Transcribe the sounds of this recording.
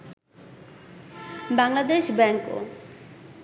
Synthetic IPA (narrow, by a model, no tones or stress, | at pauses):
baŋlad̪eʃbɛŋko̰